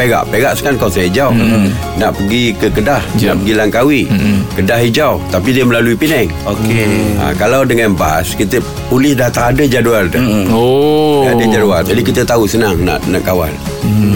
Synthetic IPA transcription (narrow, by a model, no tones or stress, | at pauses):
peɡa̰ʔpeɡaʔsə̥kankawsajəd͡ʒaw | naʔpəɡikəkədahna̰ʔpəɡilaŋkawikədaɦid͡ʒaut̪apidiəməlaluipinɛŋ | okea̰kalawdəŋanba̰skit̪ə | pulɪhdaht̪aːdəd͡ʒaduarda | aadəd͡ʒaduard͡ʒadikit̪ət̪ausənaŋna̰ʔnaʔkawa̰l